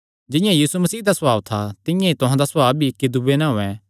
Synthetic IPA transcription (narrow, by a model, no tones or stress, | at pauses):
d͡ʒɪ̃jãjiːsumɐsiːd̪asɐbaːʋt̪ʰat̪ɪ̃jãit̪ʊɦãd̪asɐbaːbbʱiɪkːid̪ubenɛ̃ɦoːɛ̃